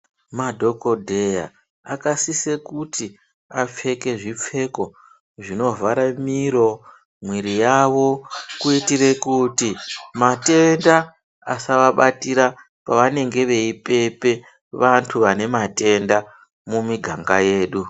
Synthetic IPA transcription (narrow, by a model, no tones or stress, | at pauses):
madʱo̞ko̞dʱe̞ja̰ | akasise̞kuti | ap͡fe̞ke̞ʐip͡fe̞ko̞ | ʐino̞vʱaɾamiɾo̞ | mwiɾijaʋo̞kuitire̞kutimate̞nda | asaʋaɓatiɾa | paʋane̞ŋɡe̞ʋe̞ipe̞pe̞ | ʋantʰuʋane̞mate̞nda | mumiɡʱaŋɡaje̞ːɗu